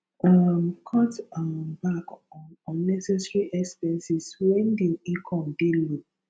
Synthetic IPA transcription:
amkʰɔtmbakɔ̃nːɛsɛsɹiʔɛkspɛsiswɛ̃ndeikʰɔ̃mdelu

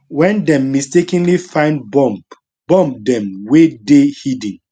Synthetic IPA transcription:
wɛ̃ndɛ̃mːistekĩnlifãɪ̃ndbɔ̃mp | bɔ̃mp̚dɛ̃mwedehidĩn

